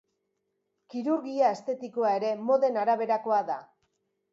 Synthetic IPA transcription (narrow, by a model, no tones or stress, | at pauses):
kiɾuɾɣiae̞st̪e̞t̪ikoae̞ɾe̞mo̞ðe̞naɾaβ̞e̞ɾako̞aða